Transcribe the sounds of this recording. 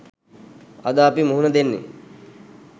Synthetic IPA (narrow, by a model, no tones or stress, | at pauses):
a̰d̪aːpimuɦunəd̪enːḛ